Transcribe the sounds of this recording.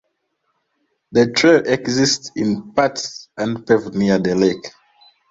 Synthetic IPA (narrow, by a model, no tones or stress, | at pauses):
ðətʰɹelʔɛksistsĩnpatsãnpɛvniəðəlek